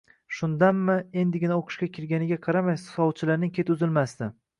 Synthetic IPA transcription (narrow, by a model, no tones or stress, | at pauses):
ʃʊnd̪anmɪe̞nd̪ɪɡʲɪnaoqʰɨ̥ʃkʲakʲʰɪɾɡʲanɪɡʲaqʰɑɾamajsɒwt͡ʃʰɪlaɾnɪŋʲkʲe̞t̪ʊzɪlmasd̪ɪ